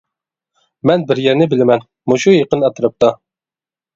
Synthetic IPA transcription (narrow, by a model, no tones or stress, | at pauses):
mɛnbɪɾjɛɾnɪbɪlɪmɛn | muʃujeqənɑt̪ʰɨɾɨp̚t̪ɑ